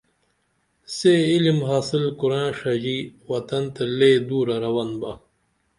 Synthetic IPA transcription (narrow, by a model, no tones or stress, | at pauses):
seilimɦaːsilkuɾãːʂɐd͡ʑiwɐt̪ɐnt̪ɐleːd̪uːɾɐɾɐwɐnbɐ